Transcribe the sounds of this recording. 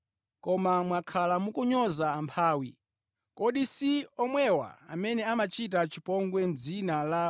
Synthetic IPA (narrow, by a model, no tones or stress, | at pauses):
kɔmamwakʰalamukuɲɔzaːmpʰaːwḭ | kɔɗisiɔmwɛwa̰a̰mɛnɛamat͡ʃit̬at͡ʃipɔŋɡwɛm̩d͡zinala